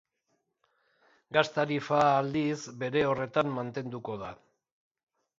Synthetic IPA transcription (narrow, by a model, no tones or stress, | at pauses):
ɡast̪aɾifaːld̪izbe̞ɾe̞o̞re̞t̪amːant̪e̞nd̪uko̞ð̞a